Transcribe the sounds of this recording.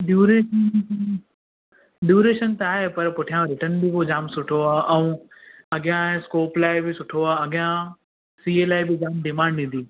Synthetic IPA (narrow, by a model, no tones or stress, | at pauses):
ɖjuːɾeːʃən | ɖjuːɾeːʃənt̪ɐaːɦepɐɾpʊʈʰijãɾɪʈənbibod͡ʑaːmsʊʈʰoaːʔɐ̃ũ | ɐɠɪjãskoːplaːɪbɪsʊʈʰoaːɐɠɪjã | siːeːlaːɪbɪd͡ʑaːmɖɪmãːɳɖĩːn̆d̪iː